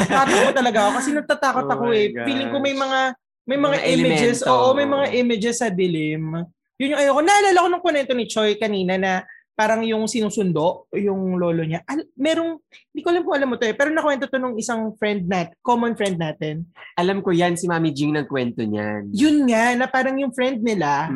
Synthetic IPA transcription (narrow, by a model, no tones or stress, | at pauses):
paːt̪ɐkot̪ɐlɐɡaʔokɐsɛnɐɡ̚t̪at̪aːko̞t̪ɐkoɛfiːlɪŋkʊŋmɐjmɐŋa | mɐjmɐŋaʔɪmɐd͡ʒɛsoːʔomɐjmɐŋaʔɪmɪd͡ʒɛsːɐd̪ɪlɪm | jʊnjʊŋʔɐjoko̞nɐʔɐlaːlɐko̞nɐŋponɛnt̪o̞nɪt͡ʃojkɐniːnɐnɐ | paːɾɐŋjʊŋsɪnuːsʊnd̪o̞ʔjʊŋlo̞ːlo̞ɲaʔɐlmɛːɾoŋɪnd̪ikoʔlamkʊʔɐlamːot̪oɛpɛːɾonɐkwɛnt̪o̞t̪o̞nʊŋɪsaŋfɾɛnd̪̚naːt̪komonfɾɛnd̪̚naːt̪ɛnʔɐlamkojansɪmaːmid͡ʒiŋnɐŋkwɛnt̪oɲa̰njʊnŋaʔnɐpaːɾɐŋjʊŋfɾɛnd̪̚nɪla